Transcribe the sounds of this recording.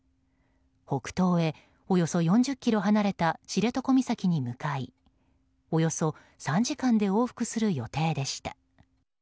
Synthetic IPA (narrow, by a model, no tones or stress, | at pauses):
ho̞kɯ̟̥t̪o̞ːe̞ | o̞jo̞so̞jõ̞ɲ̟d͡ʑɨkʲːiɾo̞ɦanaɾe̞t̪at͡ɕiɾe̞t̪o̞ko̞mʲisakʲiɲ̟imɯ̟kai | o̞jo̞so̞ | sãɲ̟d͡ʑikãnd̪e̞o̞ːɸɯ̥kɯ̟sɨɾɯ̟jo̞t̪e̞ːd̪e̞ɕi̥t̪ḁ